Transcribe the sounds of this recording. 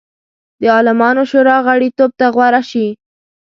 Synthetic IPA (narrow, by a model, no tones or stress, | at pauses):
d̪əɑlɪmɑnoʃoɾɑɣaɽit̪ob̚t̪aɣwaɾaʃi